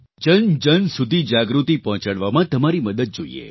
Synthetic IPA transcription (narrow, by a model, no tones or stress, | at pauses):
d͡ʒənd͡ʒənsud̪ʱid͡ʒaɡɾut̪ipɔɦɔ̃t͡ʃəɽʋamãt̪əmaɾiməd̪əd̪̚d͡ʒoḭḛ